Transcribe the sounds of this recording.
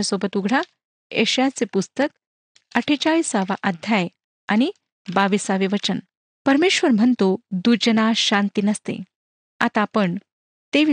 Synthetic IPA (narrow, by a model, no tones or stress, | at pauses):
asobət̪uɡʱɽ̤a | ḛɕjat͡sepust̪ək | əʈʰet͡ɕaisaʋaʔəd̪ʱjaj | añi | baʋisaʋeʋət͡ɕən | pəɾmeɕʋəɾm̤ənt̪od̪ud͡ʑənaɕãnt̪inəst̪ḛ | a̰t̪apəɳ | t̪eʋ